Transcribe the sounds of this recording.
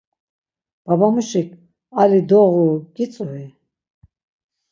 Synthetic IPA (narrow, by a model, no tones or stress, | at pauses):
b̥abamuʃik | alid̪ɔʁuɡit͡sʼuvi